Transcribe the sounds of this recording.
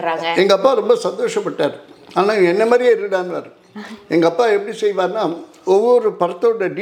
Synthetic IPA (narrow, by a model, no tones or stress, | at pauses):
ɛŋɡɐpːaːɾɔmbɐsɐnd̪oːʂɐpːɐʈːaːɾaːnaːɛnːɐmaːd̪ɾɪjeːɪɾɯkːɽaːnɯʋa̰ːɾɯ | ɛŋɡɐɐpːaːɛpːɐɽisɛjʋaːɾnaː | ɔʋːɔɾɯpɐɾɐt̪ːɐɽɐɖi